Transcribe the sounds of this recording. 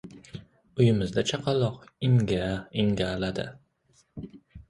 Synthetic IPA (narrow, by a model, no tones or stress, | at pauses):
ʊjɪmɪzd̪at͡ʃʰɑqʰɑlˠɒqɪŋɡʲaɪŋɡʲalad̪ɪ̰